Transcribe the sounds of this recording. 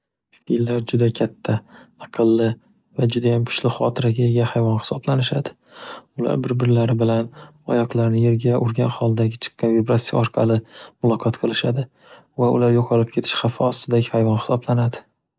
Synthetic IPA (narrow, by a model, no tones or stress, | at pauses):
filːaɾd͡ʒʊd̪akʲʰat̪ʰːaɑqʰɨlˠːɪ | vad͡ʒʊd̪ajamkʰʊ̥ʃlɪχɒt̪ʰɪɾaɡʲaeɡʲahajvɒnχɪ̥sɒblanɪʃad̪ɪ | ʊla̰ɾbɪɾbɪɾlaɾɪbɪlanɒ̰jɒqlˠaɾnɪje̞ɾɡʲaʔʊɾɡʲanχɒlˠd̪aɡʲɪt͡ʃʰɨ̥qːɑnvibɾat̪sija̰ɒɾqʰɑ̰lɪmʊlˠɒqʰɒt̪qʰɨlˠɪʃad̪ɪ | vaʊ̰laɾjoqʰɒlˠɪp̚kʲʰe̞t̪ʰɪ̥ʃχafɪɒst̪ɪd̪aɡʲɪhajvɒnχɪ̥sɒblanad̪ɪ̥